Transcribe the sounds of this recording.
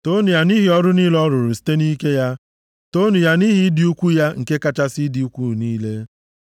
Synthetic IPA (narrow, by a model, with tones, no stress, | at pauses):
to˦nu˨ja˦ni˦ɦi˨ɔ˦ɾʊ˦ni˦lɔ˦ɾʊ˨ɾʊ˨si̥˦te˦ni˦ke˦ja˦ | to˦nu˨ja˦ni˦ɦi˨˦dɪ˨u˦kʷu˦ja˦ŋ̩˨ke˦ka˦t͡ʃa˦sɪ˦di˨u˦kʷu˦˨niː˦le˦